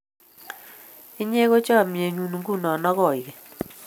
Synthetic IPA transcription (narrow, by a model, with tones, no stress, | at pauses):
ɪ˦ɲe˦ɣo˦t͡ʃɔ˦˨mje˨ɲu˨nu˨ŋɡu˦˨nɔ˨nɔ˦ɣɔ˦˨ɪ˨ɡe˨